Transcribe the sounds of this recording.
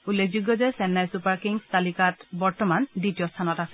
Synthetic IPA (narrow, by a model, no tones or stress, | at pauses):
ulːek̚ʰd͡ʒuɡːɔzɛsɛnːajsupaɹkiŋstalikatbɔɹtɔmanditijɔstʰanɔtasɛ